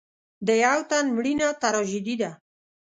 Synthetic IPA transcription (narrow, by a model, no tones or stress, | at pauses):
d̪əjawt̪anmɽinat̪aɾɔʒid̪id̪a